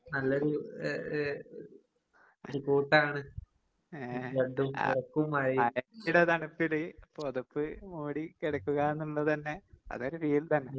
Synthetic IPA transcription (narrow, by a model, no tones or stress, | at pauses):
nɐlːoɾu | ɾukuːʈːaːɳɨ | eɖumirɐkːumɐɻiɐjɐiɽet̪ɐɳupːilɨpoðupːɨmuːɽikiɽɐkːuɣaenːuɭːɐt̪ɐnːe̞ɐ̰ðo̞ɾufiːlt̪ɐnːe